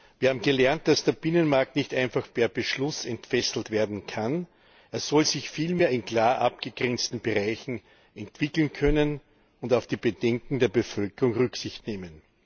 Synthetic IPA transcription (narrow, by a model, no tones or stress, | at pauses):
vviːɐhaːbm̩ɡəlɛɐnt̚d̥asd̥eːɐb̥ɪnənmaɐk̚tnɪçtʔãɪnfaχpʰɛɐb̥əʃlʊsɛntfɛsl̩tv̥eːɐdn̩kʰan | ʔeːɐsɔlzɪçfiːlmeːɐɪnkl̥aːʔap̚ɡ̥əɡ̥ʁɛnt͡stn̩b̥eʁaɪçn̩ | ʔɛntv̥ɪkl̩nkʰœnən | ʊndaʊfd̥iːb̥ədɛŋkŋ̩d̥eːɐbəfœlkəʁʊŋʁʏksɪçtneːmən